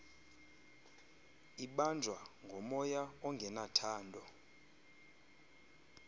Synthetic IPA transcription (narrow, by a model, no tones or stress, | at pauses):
iɓand͡ʒʱwaŋɡʱɔmɔjaɔŋɡʱɛnatʰaːndʱɔ